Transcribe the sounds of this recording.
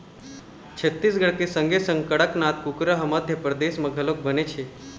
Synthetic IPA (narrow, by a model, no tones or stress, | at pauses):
t͡ɕʰət̪ːis̬ɡəɽkesəŋɡʱesə̃ŋɡ̚kəɽəknat̪̚kukɾəɦəməd̪ʱjəpɾəd̪esməɡʱəlok̚bʱənet͡ʃʰe